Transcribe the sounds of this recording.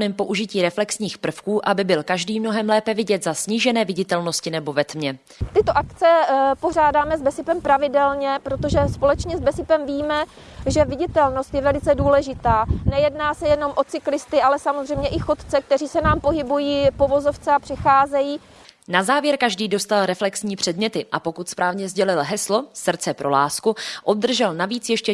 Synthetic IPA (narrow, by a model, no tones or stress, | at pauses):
nɛːmpo̞ʔuʒɪciːɾɛflɛksɲiːxpr̩fkuːʔabɪbɪlkaʒdiːmno̞ɦɛmlɛːpɛvɪɟɛt̪zasɲiːʒɛnɛːvɪɟɪt̪ɛlno̞scɪnɛbo̞vɛt̪mɲɛ | t̪ɪt̪oʔakt͡sɛpo̞r̝aːdaːmɛzbɛsɪpɛmpɾavɪdɛlɲɛpɾot̪oʒɛspo̞lɛt͡ʃɲɛzbɛsɪpɛmviːmɛ | ʒɛvɪɟɪt̪ɛlno̞st̪jɛvɛlɪt͡sɛduːlɛʒɪt̪aːnɛjɛdnaːsɛjɛno̞mʔo̞t͡sɪklɪst̪ɪʔalɛsamozr̝ɛjmɲɛʔɪxo̞t̪t͡sɛk̚t̪ɛriːsɛnaːmpo̞ɦɪbujiːpo̞vo̞zo̞ft͡sɛapr̝̥ɛxaːzɛjiː | nazaːvjɛɾkaʒdiːdo̞st̪alɾɛflɛksɲiːpr̝̥ɛdmɲɛt̪ɪʔa̰po̞kut̪spɾaːvɲɛzɟɛlɪlɦɛslo̞sr̩t̪t͡sɛpɾo̞la̰ːskuʔob̚d̪r̩ʒɛlnaviːt͡sjɛʃcɛ